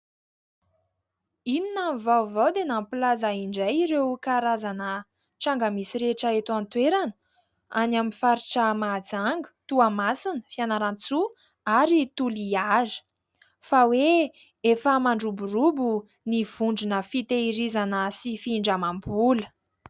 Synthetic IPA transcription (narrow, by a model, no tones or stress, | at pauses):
ininamvawvawd̪enampilazaiɳɖ͡ʐajiɾewkaɾazanə | ʈ͡ʂaŋɡamisiɾeʈ͡ʂaet̪uant̪weɾanə̥ | anamifaɾiʈ͡ʂəmad͡zaŋɡə̥t̪uamasinəfianaɾant͡su | aɾit̪uliazə̥ | fawe | efəmaɳɖ͡ʐuburubu | niv̥uɳɖ͡ʐinəfit̪eiɾizanəsifiɳɖ͡ʐamambulə̥